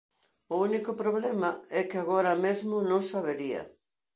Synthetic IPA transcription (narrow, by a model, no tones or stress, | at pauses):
ʊunikʊpɾoβlɛmɐɛkɪaɣoɾɐmezmʊnõŋsaβeɾiɐ̰